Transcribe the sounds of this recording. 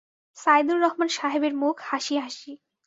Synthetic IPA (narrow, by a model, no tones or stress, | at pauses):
sajd̪uɾːɔɦmanʃaɦebeɾmukʰhaʃiɦaʃi